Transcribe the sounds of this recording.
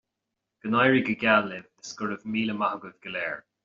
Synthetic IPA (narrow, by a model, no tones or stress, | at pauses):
ɡ̥ənajɹiɡəɡʲalːɪd̪əskʊɹəvmiːləmahəɡəvɡəlɛːɹ